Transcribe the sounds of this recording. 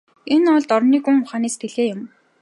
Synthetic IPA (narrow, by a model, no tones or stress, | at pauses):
enɔɮt̪ɔrniːɡuŋʊχaːneːst̪ʰeɮeːjʊm